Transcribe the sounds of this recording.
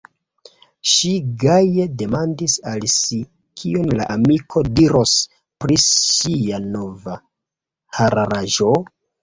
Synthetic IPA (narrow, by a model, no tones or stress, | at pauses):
ʃiɡaje̞de̞mandisalsi | kʰionlaʔamikʰo̞diɾo̞s | pɾiiano̞va | haɾaɾaʒo̞